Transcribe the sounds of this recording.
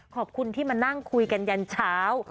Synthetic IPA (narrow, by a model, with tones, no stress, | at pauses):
kʰɔː˨˩p̚kʰu˧nt̪ʰiː˥˩maː˧na˥˩ŋkʰu˧jka˧nja˧nt͡ɕʰaː˦˥w